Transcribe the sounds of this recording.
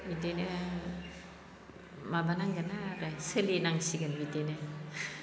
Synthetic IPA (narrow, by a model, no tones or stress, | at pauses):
bitene | mabanaŋɡanaɾasəlinaŋsiɡanbitenɯ